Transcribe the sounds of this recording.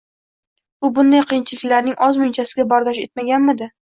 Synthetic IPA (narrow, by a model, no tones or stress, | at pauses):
ʊbʊnd̪ajqʰɨjɪnt͡ʃʰɪlɪkʲlaɾnɪŋʔɒzmʊɪnt͡ʃʰasɪɡʲabɒɾd̪ɒʃe̞t̪̚maɡʲanmɪd̪ɪ